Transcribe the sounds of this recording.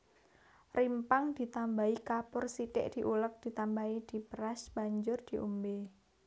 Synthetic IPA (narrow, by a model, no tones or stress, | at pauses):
rimpaŋd̪̥i̤t̪ambaikapʊrsiʈɪ̰ʔd̪̥i̤ʔulək̚d̥i̤t̪ambaid̪̥i̤pɾasb̥a̤ɲd͡ʒʊrd̪̥i̤ʔṵmbe